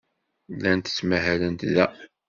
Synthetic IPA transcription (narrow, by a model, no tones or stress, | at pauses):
lːænt̪ə̥t͡sːmæɦælənt̪ðæ